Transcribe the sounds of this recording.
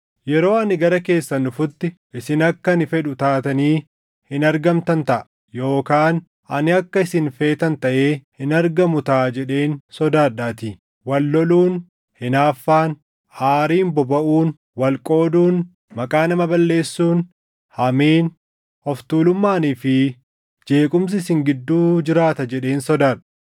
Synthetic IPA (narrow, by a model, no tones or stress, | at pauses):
jɛɾo̞ːɐnɪɡɐɾɐke̞ːsːɐnʊfʊt̪ːɪʔɪsɪnɐkːɐnɪfɛᶑʊt̪aːt̪ɐniː | hɪnɐɾɡɐmt̪ɐnt̪ɐʔɐ | jo̞ːkaːn | ʔɐnɪɐkːɐɪsɪnfe̞ːt̪ɐnt̪ɐʔe̞ːhɪnɐɾɡɐmʊt̪aːd͡ʒɛᶑe̞ːnsɔd̪aːᶑaːt̪iː | wɐlːɔluːn | hɪnaːfːaːn | haːɾiːmbɔbɐʔuːn | wɐlkʼo̞ːd̪uːn | mɐkʼaːnɐmɐbɐlːe̞ːsːuːn | hɐmiːn | hɔft̪uːlʊmːaːniːfɪ | d͡ʒe̞ːkʼʊms̬ɪsɪŋɡɪd̪ːuːd͡ʒɪɾaːt̪ɐd͡ʒɛᶑe̞ːnsɔd̪aːɐ̥